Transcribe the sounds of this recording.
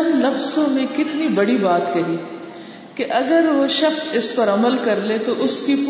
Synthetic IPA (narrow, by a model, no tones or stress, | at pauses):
nlɐfzõmẽkɪt̪nibɐɽibaːt̪kɐɦiː | keʔɐɡəɾʋoʃɐxsɪspɐɾɐməlkɐɾlet̪oʔʊskip